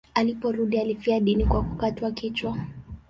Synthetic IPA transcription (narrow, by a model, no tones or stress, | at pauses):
alipɔɾuɗialifiaɗinikwakukatwakit͡ʃwa